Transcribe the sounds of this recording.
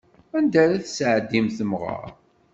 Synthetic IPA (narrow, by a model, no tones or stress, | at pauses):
ænd̪æɾæθsʕəd̪ːimθəmʁɑ̰ɾ